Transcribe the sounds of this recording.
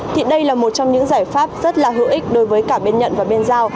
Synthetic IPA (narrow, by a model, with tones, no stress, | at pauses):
t̪ʰḭ˨˩ɗə˧jlaː˨˩mo˨˩t̚t͡ɕɔ˧wŋ͡mɲɨ̰˧˥ŋzaː˧˩jfaː˦˥p̚z̥ə˦˥t̚laː˨˩ɦɨ̰˧˩ʔï˦˥k̟̚ɗo˨˧˦jvəː˨˦jkaː˧˩ɓe˧nɲə̰˧˨nvaː˨˩ɓe˧nzaː˧w